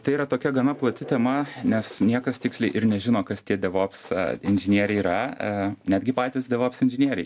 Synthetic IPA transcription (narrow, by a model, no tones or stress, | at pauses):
t̪ɐɪiːɾɐt̪oːkʲɛɡɐnɐplˠɐt̪ʲɪt̪ʲɛmɐnʲɛsnʲiɛkɐst̪ʲɪksʲlʲɛɪʔɪɾnʲɛʒʲɪnoːkɐst̪ʲiɛd̪ʲɛʋoːpsɪnʲʒʲɪnʲiɛɾʲɛɪiɾɐnʲæːd̪ʲɡʲɪpɑːt̪ʲɪsd̪ʲɛʋoːpsɪnʲʒʲɪnʲiɛɾʲɛɪ